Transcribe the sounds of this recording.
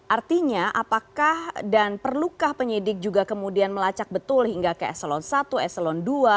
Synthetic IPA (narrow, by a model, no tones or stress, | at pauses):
ʔart̪iɲaʔapakahdanpərlukahpəɲidɪk̚d͡ʒuɡakəmudianməlat͡ʃak̚bət̪ʊlhiŋɡakəɛ̰səlɔnsat̪uɛsəlɔndua